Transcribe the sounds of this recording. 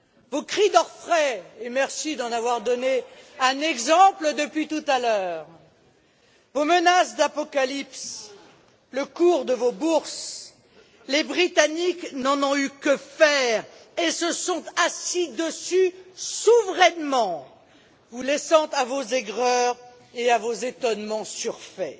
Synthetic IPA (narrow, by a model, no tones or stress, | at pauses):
vokχid̪ɔʁfχɛemɛʁsid̪ɑ̃navwaʁd̪ɔneɛ̃nɛɡzɑ̃pləd̪əpɥit̪ut̪alœːʁ | vomənasd̪apɔkalips | ləkuʁd̪əvobuʁs | lebʁit̪aniknɑ̃nɔ̃ykəfɛːʁesəsɔ̃t̪asid̪əsysuvʁɛnmɑ̃ | vulɛsɑ̃t̪avozɛɡʁœʁ | eavozet̪ɔnmɑ̃syʁfɛ